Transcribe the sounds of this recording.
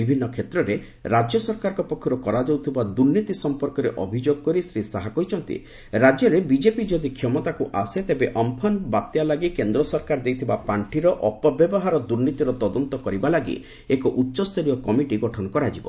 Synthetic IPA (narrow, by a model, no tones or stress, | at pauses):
ibʱinːɔkʰet̪ɾɔɾe | ɾad͡ʒjɔsɔɾkaɾɔkɔpɔkʰːɔɾɔkɔɾad͡ʒɔwt̪ʰibad̪uɾnit̪isɔmpɔɾkɔɾeʔɔbʱid͡ʒoɡ̚kɔɾisɾisaɦakɔɦit͡ʃʰɔnt̪ḭ | ɾad͡ʒjɔɾebid͡ʒepid͡ʒɔd̪ikʰjɔmɔt̪akuʔaset̪ebeʔɔmpʰɔnbat̪jalaɡikend̪ɾɔsɔɾkaɾd̪ejt̪ʰibapaɳʈʰiɾɔʔɔpɔbjɔbɔɦaɾɔd̪uɾnit̪iɾɔt̪ɔd̪ɔnt̪ɔkɔɾibalaɡḭ | ekɔʔutːʃɔst̪ɔɾijɔkɔmiʈiɡɔʈʰɔnɔkɔɾad͡ʒibɔ̰